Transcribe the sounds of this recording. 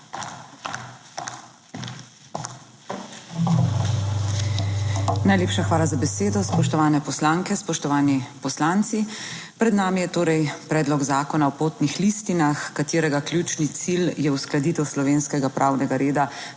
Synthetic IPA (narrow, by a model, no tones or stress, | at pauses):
najleːpʃaxʋaːlazabɛseːd̪ɔspɔʃt̪ɔʋaːnɛpɔslaːŋkɛspɔʃt̪ɔʋaːnipɔslaːnt̪sipɾɛd̪naːmijɛt̪oːɾɛjpɾɛːd̪lɔɡzaːkɔnaɔpoːt̪nixlist̪inaxkat̪eːɾɛɡakljut͡ʃnit̪siljɛusklad̪iːt̪ɛwslɔʋeːnskɛɡapɾʔaːwnɛɡaɾeːd̪a